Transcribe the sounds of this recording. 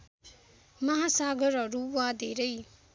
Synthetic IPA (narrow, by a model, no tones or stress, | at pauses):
mʌɦasaɡʌɾɦʌɾuwad̪ʱeɾʌj